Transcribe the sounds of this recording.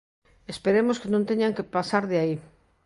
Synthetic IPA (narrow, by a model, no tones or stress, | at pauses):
espeɾemoskenõnt̪eɲaŋkepasaɾðeai